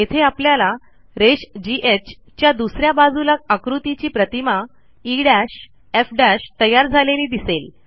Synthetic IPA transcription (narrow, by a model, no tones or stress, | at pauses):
jet̪ʰeapljala | ɾeɕd͡ʑiʔet͡ɕ | t͡ɕjad̪usɾjabad͡zulak̚akɾut̪it͡ɕiːpɾət̪ima | iɽaɕ | efɖæɕt̪əjaɾd͡zʱaleliːd̪isel